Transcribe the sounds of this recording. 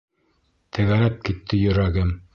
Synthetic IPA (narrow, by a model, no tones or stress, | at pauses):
t̪ʰɘ̆ɣæɾæp̚kit̪ʰːɘjɵ̆ɾæɡɘm